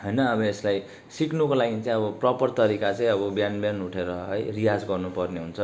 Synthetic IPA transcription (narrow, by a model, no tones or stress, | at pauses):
ɦʌjnʌːbʌeslaj | siknukolaɡit͡sãj̃ʌbʌprʌpʌrt̪ʌɾikat͡sãĩʌbʌbjanbjanuʈʰeɾʌɦʌjrijad͡zɡʌrnupʌrneɦunt͡sʰʌ